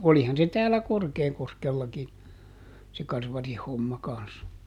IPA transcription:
olihɑn se tæːlːæ korkeːkoskelːɑki se kɑrʋɑrih homːɑ kɑns

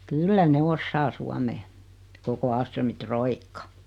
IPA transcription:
kylːæ ne osːɑː suɑmeː koko ɑːlstrømi troikːɑ

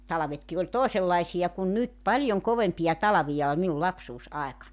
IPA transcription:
tɑlɑ̆ʋetki olʲ toˑeselːɑisij̆ɑ kun nyt pɑljoŋ koʋempijɑ tɑlɑʋijɑ ol minul lɑpsuːsɑekɑnːɑnʲ

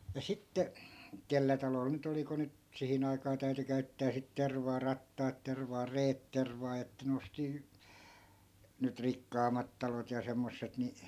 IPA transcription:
jɑ sitːe kelːæ tɑlol nyt oli ku nyt sihin ɑikɑː tæy̞ty kæy̞tːæː sit terʋɑː rɑtːɑːt terʋɑː reːt terʋɑː etːæ n osti nyt rikːɑːmˑɑt tɑlot jɑ semːosːet ni

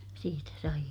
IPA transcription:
siːtæ sɑij

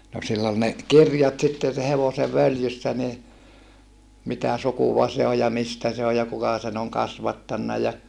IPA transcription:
no silː ol ne kirjɑt sitːen̞ se heʋose ʋøljysːæ ni mitæ sukuʋɑ se o jɑ mistæ se o jɑ kukɑ sen oŋ kɑsʋɑtːɑnːɑ jɑ

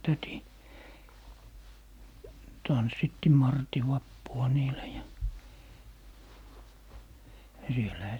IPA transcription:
tæti tɑnsːitːi mɑrti ʋɑpːuɑ niːlæ jɑ jɑ sielæhæ

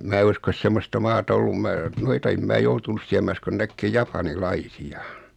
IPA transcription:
mæː uskos semːostɑ mɑːtɑ olːum mæː noitɑ em mæː joutunus siæ mæ uskon nækːeː jɑpɑnilɑisiɑ

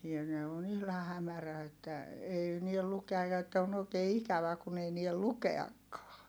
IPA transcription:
niæn ne on ihlɑh̆ hæmæræ etːæ ei niel lukeɑj̆ jɑ etːæ on oˑi̯keː ikæʋæ kun ei niæl lukeɑkːɑː

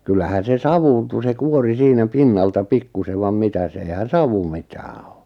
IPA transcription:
kylːæhæn̞ se sɑʋuːntu se kuori siːnæ pinːɑltɑ pikːuseʋ ʋɑm mitæs eihæn̞ sɑʋu mitæː o

